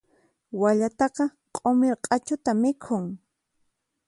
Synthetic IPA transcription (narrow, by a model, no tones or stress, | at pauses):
waʎat̪ɑqɑ | qʼomɪɾqʼɑt͡ʃʊt̪amɪkʰʊŋ